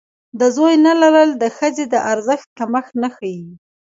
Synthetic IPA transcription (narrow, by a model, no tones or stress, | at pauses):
d̪əzojnalaɾəld̪əxəzed̪əʔaɾzəxt̪̚kamaxnaxaji